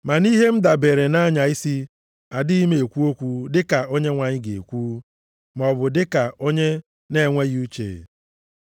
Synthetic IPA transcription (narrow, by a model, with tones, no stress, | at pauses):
ma˨ni˦ɦe˦m̩˦da˨be˨ɾe˨na˦ɲa˨i˦si˦ | a˨dɪ˦i˦me˨e˨kʷu˦o˦kʷu˦dɪ˦ka˨o˦ɲe˦ŋʷa˨ɲɪ˦ɡeḛ˨kʷu˦ | m˨ɔ˨bʊ˨dɪ˦ka˨o˦ɲe˦ | ne˦˨ŋʷe˦ɣu˦t͡ʃḛ˨